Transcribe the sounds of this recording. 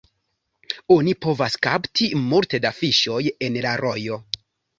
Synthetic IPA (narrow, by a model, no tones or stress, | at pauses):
o̞nipo̞vaskaptʰimulte̞dafiʃo̞je̞nlaɾʔo̞jo̞